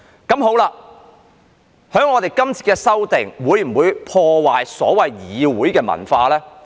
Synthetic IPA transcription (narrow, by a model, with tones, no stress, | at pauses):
kɐ˨˥mɦo˨˥wlaː˧ | hœː˨˥ŋːɔː˨˧t̪e˨jkɐ˥mt͡sʰiː˨˧t̚kɛː˧sɐ˥wt̪ɪ˨˩ŋwuː˨˧jm̩˨˩wuː˨˧jpʰɔː˧waː˨˩jsɔ̰ː˨˥wɐ˨jjiː˨˧wuː˨˥jkɛː˧mɐ̰˨˩nfaː˧lɛː˥